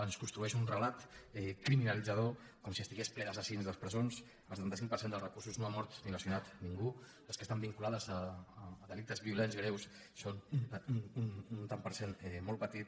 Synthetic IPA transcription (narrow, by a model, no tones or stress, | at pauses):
ənskunst̪ɾuɛʃunrəlat̪ɛkɾiminəlid͡zəð̞o | kɔmsiəst̪iɣesplɛðəsəsiinzðəspɾəzons | əlˠsət̪ant̪əsiŋk̚pəɾsend̪əlˠzrəkuɾsuznoamɔɾt̪niləsjunat̪niŋɡu | ləskəst̪ambiŋkulaðəzəːðəlik̚t̪əzβiulenzɣɾews | sonnununt̪ampəɾsenmɔlˠpət̪it̪